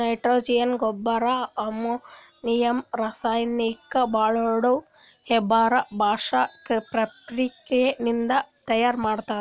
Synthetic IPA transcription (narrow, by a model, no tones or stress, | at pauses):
ɐjʈɾoːd͡ʒijɐnɡɔbːɐɾaɐmu | nijɐmɾɐsajnikːɐbaːɭoːɽo | hɛbaːɾɐbʱaːʂɐkepɾɐpɾikenind̪ɐt̪ɐjaːɾmaːɽt̪aː